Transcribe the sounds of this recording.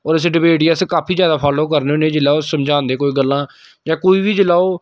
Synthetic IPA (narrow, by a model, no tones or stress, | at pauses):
ɔːɾɪs̬ɖɪbeːɖiaːskaːpʰiːzjaːd̪aːpʰaːloːk̬əɾneonẽːd͡ʒɪlaːoːsəmd͡ʒãːnd̪eːkoːiːɡəlːãː | d͡ʒãːkoːiːʋiːd͡ʒəlaːoː